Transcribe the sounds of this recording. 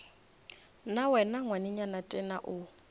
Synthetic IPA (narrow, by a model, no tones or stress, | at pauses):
nawɛnaŋwanɪɲanatʼɛna̰ʔʊ